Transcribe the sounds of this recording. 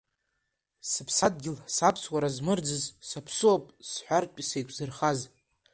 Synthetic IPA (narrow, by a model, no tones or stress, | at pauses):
sɨpʰsad̚ɡʲɪlsapʰswaɾazmɨrd͡zɨzsapʰsɨwapʼsħʷᶣarpʼisejkʷʰʼzɨrχaz